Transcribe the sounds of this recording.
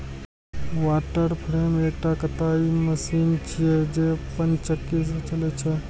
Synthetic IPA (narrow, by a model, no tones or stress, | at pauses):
ʋaːʈəɾpʰɾeːmek̚ʈakət̪aiməsint͡ʃʰijed͡ʒepənt͡ʃəkːis̬ɾt͡ʃəlet͡ʃʰɛ